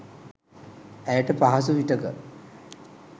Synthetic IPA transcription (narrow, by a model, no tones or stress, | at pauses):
æjəʈəpaɦas̬uʋiʈəkə